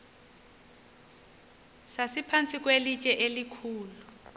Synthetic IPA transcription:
sasipʰant͡sʰʼik̬ʼwelit͡ʃʼɛʔelikʰuːlu

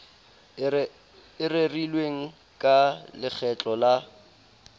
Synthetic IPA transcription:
ɪrɪrilweŋ̩ | kʼalɪk͡xʰɛt͡ɬʼɔla

